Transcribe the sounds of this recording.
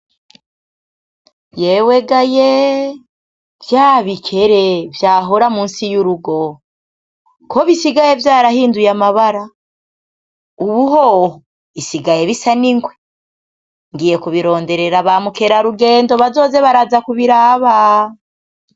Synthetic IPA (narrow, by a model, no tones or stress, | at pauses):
jeweɡaje | vjaːβikʰe̞ɾe̞vjaːɦoɾamuːnsijuɾuɡo̞ | kʰo̞βisiɡaje̞vjaːɾahiːndujamaβaɾa | uβuɦoho | isiɡaje̞βisaniŋɡwe̞ | ŋɡiːje̞kuβiɾo̞ːnde̞ɾe̞ɾaβamuke̞ɾaɾuɡe̞ːndo̞βazo̞ːze̞βaɾazakuβiɾaːβa